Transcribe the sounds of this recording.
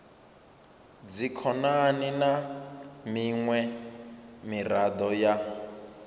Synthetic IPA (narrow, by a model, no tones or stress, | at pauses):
d͡zikʰɔnaninamiŋwɛ | mirad̪ɔja